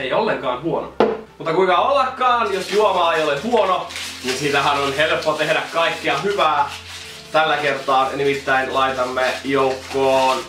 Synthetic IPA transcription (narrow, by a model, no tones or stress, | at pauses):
eijolːeŋkɑːnhuono̰ | mut̪ːɑkuiŋkɑolːɑkːɑːnjosjuomɑːejolehuononinsit̪æhænonhelpːot̪ehdækkɑikːeɑhyʋæː | t̪ælːækert̪ɑːnimit̪ːæinlɑit̪ɑmːejoukːoːn